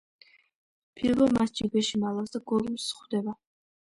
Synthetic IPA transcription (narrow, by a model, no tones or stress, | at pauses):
pʰilvɔmast͡ʃibɛʃimalˠasd̪aɡɔlumsχd̪ɛba